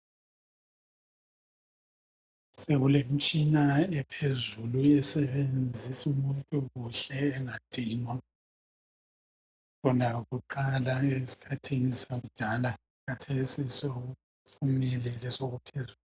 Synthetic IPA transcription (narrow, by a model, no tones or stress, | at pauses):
seɣulem̩t͡ʃʼinaɛpʰezuluɛsɛβend͡zʱisumuntʼuɣuɬɛːŋad̥ʱiːnwa | ɣɔnaɣuǃalaesi̥kʰatʰiŋisaɣud̥ʱala | ɣatʰesisoɣu | pfʰumɛlɛlɛsoɣupʰezuːl